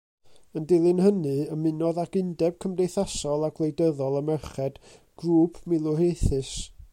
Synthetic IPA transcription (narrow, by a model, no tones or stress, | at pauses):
əndɪlˠɨnhənɨəmɪnɔðaɡɪndɛb̥̚kʰəmdejθasɔlˠaɡlˠejdəðɔlˠəmɛrχɛd̥ɡ̥ruːpʰmɪlˠʊreθɨs